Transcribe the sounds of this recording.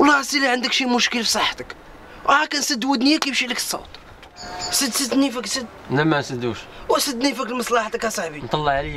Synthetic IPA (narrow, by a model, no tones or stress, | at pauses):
wlˤːɑsiliʕənd̪əkʃimʊʃkəlfisˤɑħːt̪ək | wʔhækænsəd̪ːwəd̪nijækibʃiləkə̥sˤːo̰wt̪ | səd̪səd̪nifəksəd̪ | læmæsəd̪uʃwəsəd̪nifəklmɑsˤlɑħt̪əkhæsˤɑħbint̪ˤɑlːɑʕli